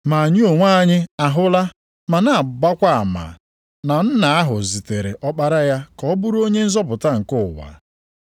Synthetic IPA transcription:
ma˨a˨ɲɪ˦o˨ŋʷa˦a˦ɲɪ˦a˨ɦʊ˦la˦ | ma˨na˨a˨ba˦kʷa˦a˨ma̰˨ | na˨n̩˦na˨a˦ɦʊ˨zi˨te˨ɾḛ˨ʔɔ˦k͡pa˦ɾa˦ja˦kɔ˦bʊ˦ɾo˦ɲe˦n̩˦zɔ˦pʊ˨ta˦ŋ̩˨kʊ˦˨wa̰˨

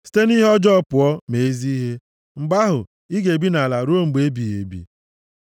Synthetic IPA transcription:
si̥˦te˦ni˦ɦɔ˦d͡ʒɔ˦pʊ˨ɔ˦me˨e˦zi˦ɦe˦ | ŋ͡m̩˨ɡ͡ba˦ɦʊ˨ | i˦ɡe˨bi˦na˨la˨ɾu˦o˦ŋ͡m̩˨ɡ͡be˦bi˨ḛ˨bḭ˨

